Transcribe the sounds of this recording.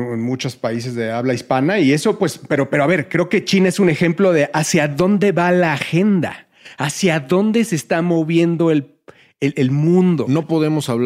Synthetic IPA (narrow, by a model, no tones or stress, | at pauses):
enmut͡ʃo̞spais̬e̞zðeaβlaispanaie̞so̞pwe̞spe̞ɾo̞pe̞ɾoaβe̞ɾkɾe̞oke̞t͡ʃinaesune̞xe̞mplo̞ðe̞ʔasjaðo̞nd̪e̞βalaːxe̞nd̪a̰ː | sjaðo̞nd̪e̞se̞st̪amo̞βje̞nd̪o̞el | elelmũnd̪o̞̰no̞po̞ðemo̞saβ